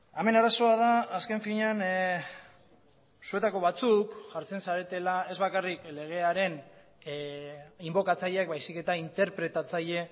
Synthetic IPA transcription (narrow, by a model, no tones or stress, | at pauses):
ame̞naɾaso̞að̞aːske̞ɱfiɲan | sue̞t̪ako̞βat͡sukʝaɾt͡se̞nsaɾe̞t̪e̞lae̞zβakarikle̞ɣ̞e̞aɾe̞n | imbo̞kat͡saʎeak̚bajsike̞t̪aint̪e̞ɾpɾe̞t̪at͡saʎe̞